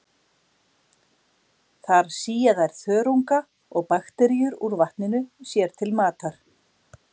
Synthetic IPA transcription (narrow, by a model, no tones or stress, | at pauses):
θaɾ̥siːjaðajɾ̥θœːɾuŋka | ɔɣpaxt̪ɛɾijʏɾuɾvaht̪nɪnʏsjɛɾ̥t̪ʰɪlmaːt̪aɾ̥